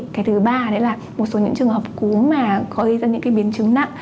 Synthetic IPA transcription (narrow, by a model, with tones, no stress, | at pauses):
kaː˨˦jt̪ʰɨ˨˦ɓaː˧ɗe˨˧˦laː˨˩ | mo˨˩t̚so˨˦ɲɨ̰˧˥ŋt͡ɕɨ˨˩əŋhəː˨˩p̚ku˨˦maː˨˩kɔ˨˦ʔi˧zaː˧ɲɨ̰˧˥ŋkaː˨˦jɓi˨˦ənt͡ɕɨ˨˦ŋna̰˧˨ʔ